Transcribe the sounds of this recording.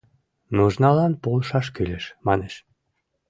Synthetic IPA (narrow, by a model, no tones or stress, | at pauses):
nuʒnɑlɑnpolʃɑʃ̬kylʲeʃmɑneʃ